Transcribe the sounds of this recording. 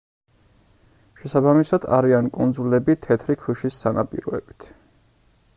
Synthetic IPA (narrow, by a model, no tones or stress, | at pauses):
ʃɛsabamisad̪̥a̰ɾiankʼund̪zulɛbit̪ʰɛt̪ʰɾikʰwuʃisːanapʼḭɾɔɛ̰bi̥t̪ʰ